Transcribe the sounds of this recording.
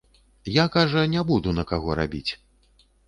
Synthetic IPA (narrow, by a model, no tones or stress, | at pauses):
jakaʐɐnʲɛbud̪unɐkaɣɔɾa̰bʲit͡sʲ